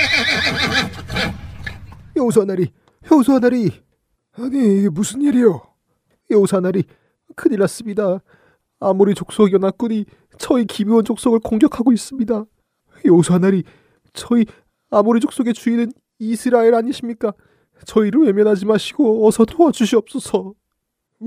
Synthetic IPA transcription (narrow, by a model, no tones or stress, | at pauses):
jʌos̬ʰanaɾi | jʌusʰanaɾi | aɲiːɡemusʰɯniɾijo | jʌosʰanaɾi | kʰɯniɭːas͈ɯmɲidaː | moɾit͡ɕok̚s͈oɡjʌnak͈uɲi | t͡ɕʌikibiwʌnd͡ʑok̚s͈oɡɯɭkoŋɡjʌkʰaɡois͈ɯmɲida | jʌosʰanaɾi | t͡ɕʌi | amoɾid͡ʑok̚s͈oɡe̞t͡ɕuinɯn | isʰɯɾaeɾaɲiɕʰimɲik͈a | t͡ɕʌiɾɯɭwe̞mjʌnɦad͡ʑimaɕʰiɡoʌsʰʌtʰoad͡ʑuɕʰiʌp̚s͈ʌsʰʌ